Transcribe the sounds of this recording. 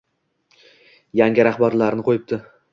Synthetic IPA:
jaŋʲɪɾaχbaɾlaɾnɪqʰojɪp̚t̪ʰɪ

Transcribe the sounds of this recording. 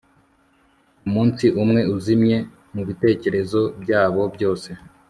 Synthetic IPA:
umuːnsiʔumŋe̞uzimɲe̞ | muβite̞ːce̞ɾe̞zo̞bɟaːβo̞bjo̞ːse̞

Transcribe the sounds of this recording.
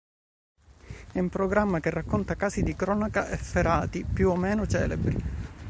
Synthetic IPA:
ɛumpɾoɡɾamːakerːakːont̪akaːsid̪ikɾɔːnakaʔefeɾaːt̪ipjuomːɛːnot͡ʃɛ̰ːlebɾḭ

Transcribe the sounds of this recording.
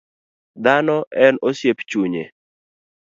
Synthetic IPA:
d̪anɔʔɛnosjept͡ʃuɲḛ

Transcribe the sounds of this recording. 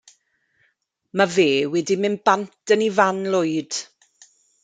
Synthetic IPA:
maveːwɛdimɪnbantʰənivanlʊɨd̥

